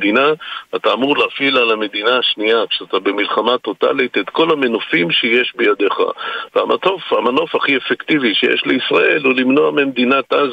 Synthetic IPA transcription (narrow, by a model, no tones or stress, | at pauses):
d̪inaat̪aːmuʁleafilalame̞d̪inaːʃniakʃeat̪abe̞milχamat̪o̞t̪a̰lit̪et̪ko̞lamenofimʃeje̞ʃbejad̪e̞χa̰veamatofhamano̞faχiefekt̪iviʃejḛʃleisʁaʔe̞lulimno̞a̰memd̪inat̪ʔaz